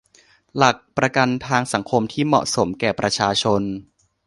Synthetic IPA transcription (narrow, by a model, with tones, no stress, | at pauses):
la˨˩k̚pɾa˧ka˧nt̪ʰaː˧ŋsa˩˦ŋkʰo˧mt̪ʰiː˥˩mɔ̰˨˩ʔso˩˦mkɛː˨˩pɾa˧t͡ɕʰaː˧t͡ɕʰo˧n